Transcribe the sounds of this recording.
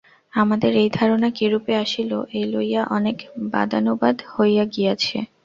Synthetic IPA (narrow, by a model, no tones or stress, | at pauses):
amad̪eɾejd̪ʱaɾonakiɾupeaʃiloʔejlojaʔɔnekba̰d̪anobad̪hojaɡijat͡ɕʰḛ